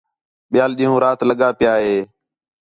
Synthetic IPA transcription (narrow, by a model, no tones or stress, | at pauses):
ɓɪjaːlɗĩːɦũːɾaːt̪ləɠaːpɪjaːɦeː